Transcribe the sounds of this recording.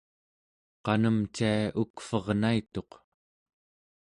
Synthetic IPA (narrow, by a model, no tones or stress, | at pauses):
qɑnəmt͡ʃiaukfʌʁnait̪o̞q